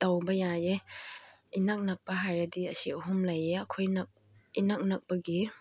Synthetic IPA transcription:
tawbɐjaje | inak̚nɐk̚pɐɦajɾɐdiɐsiɐɦumlɐjeɐkʰojnɐk̚ | inak̚nɐk̚pɐɡi

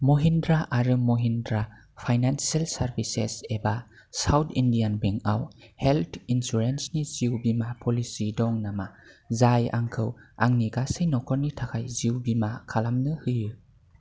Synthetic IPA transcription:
moɦindɾaʔaɾɯmoɦindɾa | pʰajnansalsaɾbisḛseba | sawtʰindianbeŋawheltʰinsuɾensniz̥iwbimapʰɔlisidɔŋnamazaja̰ŋkʰɯwa̰ŋniɡasɯjnɔkʰɔɾnitʰakʰajziwbimakʰalamnɯhɯjɯ

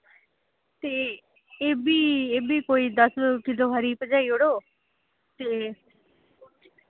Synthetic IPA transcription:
t̪eː | eːbiːeːbiːkoːiːd̪əskɪloːɦəɾiːpəd͡ʒaːiːoɽoː | t̪eː

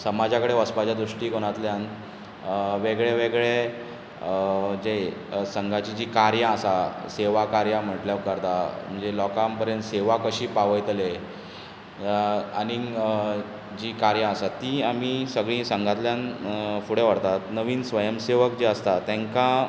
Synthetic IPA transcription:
səmad͡ʑakəɽeʋəspad͡ʑad̪ɾuʂʈiːkoɽ̃at̪ljan | ʋeɡɭeʋeɡɭe | d͡ʑesəŋɡʱat͡ɕid͡ʑiːkaɾjãəsaseʋakaɾjam̤əʈljaʋkəɾt̪am̤əɳd͡zelɔkampəɾjə̃nt̪seʋakəɕiːpaʋəjt̪le | ani | d͡ʑiːkaɾjãəsat̪iam̤isəɡɭĩsə̃ŋɡʱat̪ljanfuɽeʋəɽt̪at̪nəʋiːnsʋəjəmseʋəkd͡ʑeəst̪at̪ɛ̃ŋkã

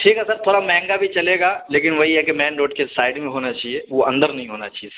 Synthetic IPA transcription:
ʈʰiːkɦɛsɐɾt̪ʰoːɾamɛ̃ːŋɡabʱit͡ʃɐleːɡaːleːkɪnʋɐɦiɦɛkemɛ̃ːnɖoːʈkesaːɪɖmẽɦoːnat͡ʃaːɦieʋoɐ̃nd̪əɾnɐɦĩɦoːnat͡ʃaːɦies

